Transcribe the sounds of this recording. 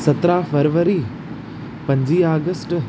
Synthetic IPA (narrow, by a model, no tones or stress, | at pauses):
sɐt̪ɾafəɾʋəɾi | pɐ̃ɲd͡ʑiːaːɡəsʈ